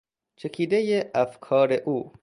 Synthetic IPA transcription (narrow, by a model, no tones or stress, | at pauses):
t͡ʃʰekʰiːd̪ejeʔæfkʰɒːɾeʔuː